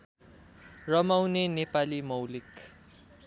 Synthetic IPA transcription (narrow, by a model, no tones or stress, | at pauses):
rʌmawnenepalimʌwlik